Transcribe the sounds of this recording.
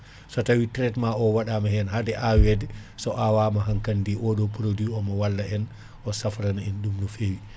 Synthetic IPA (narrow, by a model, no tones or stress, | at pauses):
sɔtawitɾɛtmaɔwaɗamahɛnhadɛʔawɛdɛsɔʔawamaɦaŋkandiʔɔɗɔpɾodwiɔmɔwalːaɛn | ʔɔsafɾanaɛnɗumɗɔfewi